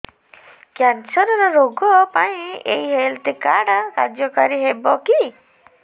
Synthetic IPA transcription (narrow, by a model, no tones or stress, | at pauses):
kjansɔɾɔɾɔɾoɡɔpaĩḛiɦelt̪ikaɽaka̰ɾd͡ʒjɔkaɾiɦebɔki